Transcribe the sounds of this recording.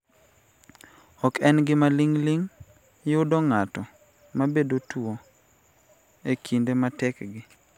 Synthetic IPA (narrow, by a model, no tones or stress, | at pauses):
ɔkɛnɡɪmaliŋliŋ | jʊdɔŋatɔ | mabedotuo | ekʰindematɛkɡɪ